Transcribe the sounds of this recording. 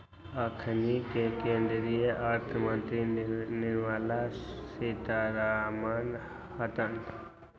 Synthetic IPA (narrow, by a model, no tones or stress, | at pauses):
əkʰənikekẽːnd̪ɾijəʔəɾt̪ʰəmə̃nt̪ɾinɪɾmaːlasit̪aɾaɦmaːn | hət̪ən